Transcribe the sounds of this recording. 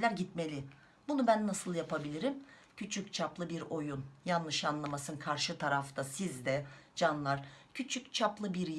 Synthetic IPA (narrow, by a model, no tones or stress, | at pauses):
lʲæɾɟit̪me̞lʲɪ | bunubænːasɯlˠjapʰabilʲiɾim | cʰyt͡ʃʰyc̚t͡ʃʰaplˠɯbiɾo̞junjanːɯʃanlˠamasɯnkʰaɾʃɯt̪ʰaɾaft̪ʰasizd̪ɛd͡ʒanlˠaɾcʰyt͡ʃʰyct͡ʃʰaplˠɯbiɾj